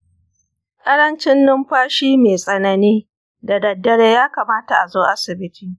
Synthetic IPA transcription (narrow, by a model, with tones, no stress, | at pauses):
kʼɐ˦ɽɐ˦nt͡ʃɪ˦nːʊ˦mɸaː˦ʃiː˦meː˨sʼɐ˦nɐ˦niː˦ | da˨dɐ˨dːɐ˦ɽeː˦jaː˦kaː˨maː˦ta˨ʔa˨zoː˦ʔa˦sɪ˨bɪ˦tʰiː˨